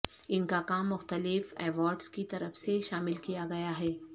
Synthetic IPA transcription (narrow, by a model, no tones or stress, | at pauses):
ɪnkakaːmːʊxt̪əlɪfɛːʋɔːɾɖskit̪ɐɾəfseʃaːmɪlkijaɡɐjaɦɛː